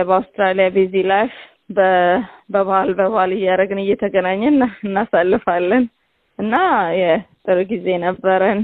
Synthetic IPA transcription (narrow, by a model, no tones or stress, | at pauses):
bəawst̪ɾalijabizilaʃ | bəbəβhalbəβhalɨjːaɾəɡɨnɨjːɛt̪ʰəɡənaɲːɛnːaɨnːasalːɨfalːən | ɨnːajɛt̪ʼɨɾɡize̞nəbːəɾən